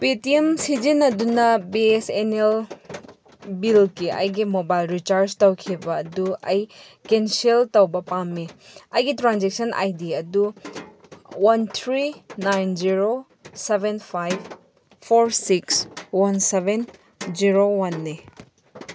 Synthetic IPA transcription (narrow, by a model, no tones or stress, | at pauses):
pitiemsid͡ʒinɐdunɐbiesenel | bilkiʔɐ̰jɡimobajlɾit͡ʃaɾd͡ʒtɐwkʰibɐːduɐj | kenseltɐwbɐpamːiɐjɡitɾanzek̚sɐnʔa̰jdiɐdu | wɐnt̪ʰɾinajnd͡ʒiɾo | sebenpʰajb | pʰoɾsikswanseben | d͡ʒiɾowanːe